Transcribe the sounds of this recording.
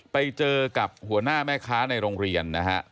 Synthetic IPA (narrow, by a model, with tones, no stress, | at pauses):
pa˧jt͡ɕɤː˧ka˨˩p̚hu˩˦ɐnaː˥˩mɛː˥˩kʰaː˦˥na˧jɾoː˧ŋɾi˧ənːa˦˥kʰa˦˥ʔ